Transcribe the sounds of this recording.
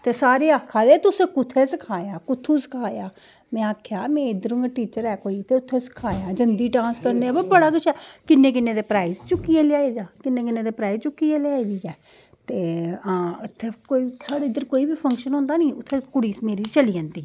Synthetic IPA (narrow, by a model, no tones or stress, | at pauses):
t̪eːsaːɾeːaːkʰːaːd̪eːt̪ʊsẽːkʊt̪ʰːeːsəkʰaːjaːkʊt̪ʰːuːsə̥kʰaːjaː | mɛ̃ːaːkʰjaːmɛ̃ːɪd̪əɾʊ̃ŋɡʈiːt͡ʃəɾɛːkoːiːt̪ʰːeːʊt̪ʰːeːsə̥kʰaːjaːd͡ʒənd̪iːʈãːnskəɾneːbəbəɽaːkʊt͡ʃʰɛːkɪnːeːk̬ɪnːeːd̪eːpɾaːizt͡ʃʊkːiːeːlɪjaːeːd͡ʒaːkɪnːeːkɪnːeːd̪eːpɾaːizt͡ʃʊkːiːeːljaːeːd̪iːɛː | t̪eːəʊt̪ʰːeːkoːiːsaːɽeːɪd̪əɾkoːiːbiːpʰə̃ŋkʃənɦõːnd̪aːnĩːʊt̪ʰːeːkʊɽiːsmeːɾiːt͡ʃəliːə̃ːnd̪iː